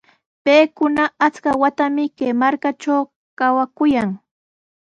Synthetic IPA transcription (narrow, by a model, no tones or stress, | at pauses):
peːkʊnaat͡skawat̪amɪkemaɾkat͡ʃaw | kawakʊjaŋ